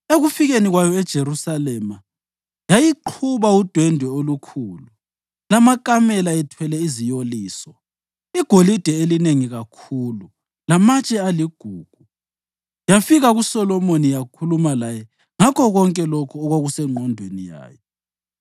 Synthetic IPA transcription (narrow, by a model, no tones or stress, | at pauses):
eɣufiɣeniɣwajɔɛd̥ʒ̥ʱeɾusalɛma | jajiǃʰuβaud̥ʱwɛndʱɛolukʰuːlu | lamakʼamɛlaɛtʰwɛlɛizijoliːswa | iɡ̥ʱolid̥ʱɛelineŋiɣakʰuːlu | lamat͡ʃʼɛaliɡ̥ʱuːɡ̥ʱu | jafiɣaɣusɔlɔmonijakʰulumalajɛ | ŋakʰɔɣɔŋkʼɛlokʰuɔɣwaɣusɛŋ͡ǃʱɔndʱwenija̰ːjɔ